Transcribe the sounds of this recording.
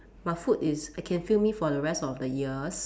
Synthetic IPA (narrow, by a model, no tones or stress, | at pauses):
maɪfutɪsaɪkʰɛ̃nfilmifɔdəɹɛstɔfdəjiəs